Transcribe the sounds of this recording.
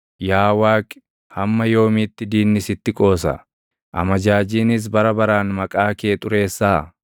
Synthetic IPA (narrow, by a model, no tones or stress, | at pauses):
jaːwaːkʼ | hɐmːɐjo̞ːmɪt̪ːɪd̪iːnːɪsɪt̪ːɪkʼo̞ːsɐ̰ | ʔɐ̰mɐd͡ʒaːd͡ʒiːnɪs̬bɐɾɐbɐɾaːnmɐkʼaːkeːt̪ʼʊɾe̞ːsːaː